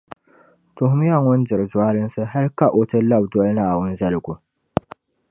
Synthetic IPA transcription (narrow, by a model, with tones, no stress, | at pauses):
tʊ˨hʊ˦m˦ja˦ŋʊ˦n̩˦dɪ˨ɾɨ˨zʊ˨a˦lɨ˦n˦sɨ˦ɦa˦lka˦ʔo˨tɨ˦la˦bdɔ˦lɨ˦nɨ˦a˨wʊ˦n̩˦zɐ˦lɨ˨ɡʊ˨